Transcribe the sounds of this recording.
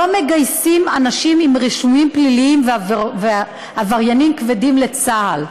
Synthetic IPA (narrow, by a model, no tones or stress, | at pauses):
o̞meɡajsimanaʃimimʁiʃumimpliliimveave | havaʁjanimkvedimle̞t͡sahal